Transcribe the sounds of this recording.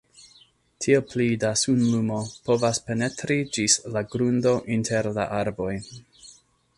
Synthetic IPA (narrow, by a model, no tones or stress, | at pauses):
tʰiepʰlidasunlumo̞po̞vaspe̞ne̞tɾid͡ʒislaɡɾundo̞ʔintʰe̞ɾla̰ʔaɾbo̞j